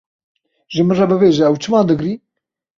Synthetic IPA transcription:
ʒɨmɨrɑbɨbeːʒɛːwt͡ʃʰɨmɑːd̪ɨɡɾiː

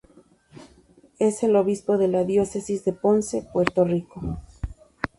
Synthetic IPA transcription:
e̞se̞lo̞βispo̞ðe̞laðjose̞sizðe̞po̞nse̞pwe̞ɾt̪o̞riko

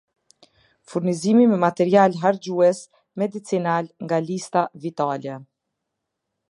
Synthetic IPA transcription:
fuɾnizimimɛmat̪ɛɾialɦaɾd͡ʑuɛs | mɛd̪it͡sinalŋɡalist̪avit̪alɛ

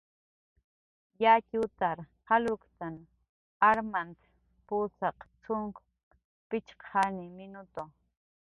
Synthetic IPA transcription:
jacut̪aɾhalʊkt̪an | aɾmant̪ | pusɑqt͡sʊŋk | pɪt͡ʃqʰanimɪnʊt̪o

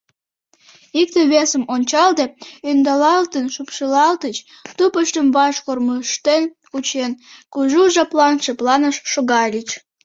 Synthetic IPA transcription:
ik̚t̪eβesəmonʲt͡ɕɑld̪eønd̪ɑlɑlt̪ənʃupʃəlɑlt̪ət͡ɕ | t̪upəʃt̪əmβɑʃkorməʃt̪en | ut͡ɕenkuʒuʒɑplɑnʃeplɑnəʃːoɣɑlʲit͡ɕ

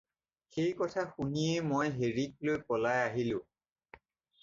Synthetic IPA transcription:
xejkɔtʰaxuniemojɦeɹik̚lojpɔlajaɦilʊ̃

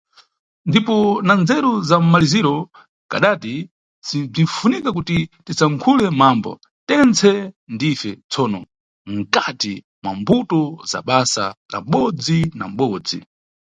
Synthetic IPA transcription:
ndipɔnand͡zɛɾuzam̩maliziɾɔ | ka̰ɗati | sib͡ʐiɱfunikak̬utitisaŋkʰulɛmambɔ̰ | tɛnt͡sʰɛndifɛt͡sʰɔːnɔ | ŋ̩kati | mwambutɔza̰ɓasa̰ka̰m̩ɓɔd͡zina̰m̩ɓɔd͡zḭ

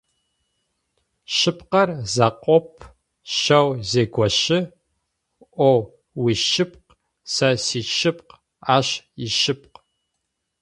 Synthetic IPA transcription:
ʃɪp̚qɐrzɐqʷʼɔpʰ | ʃɐwzeːɡʷɔʃɪ | ʔʷo | wiʃɪp̚q | sɐsiːt͡ʃʰɪp̚q | aːɕjɪʃɪp̚q

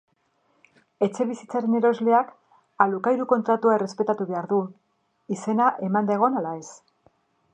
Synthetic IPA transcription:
e̞t͡ʃe̞βisit͡saɾe̞ne̞ɾo̞zle̞ak | alukajɾuko̞nt̪ɾat̪uaere̞spe̞t̪at̪uβe̞aɾðu | ise̞naʔe̞mand̪aɣ̞o̞nalae̞s

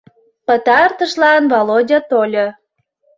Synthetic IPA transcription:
pə̆t̪ɑrt̪əʃlɑnvolodʲɑt̪olʲo

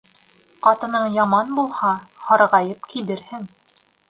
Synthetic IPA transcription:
qɑt̪ɤ̆nɤɴjɑmɑnbulˠhɑhɑɾʁɑjɤp̚kiβɘɾhɘŋ

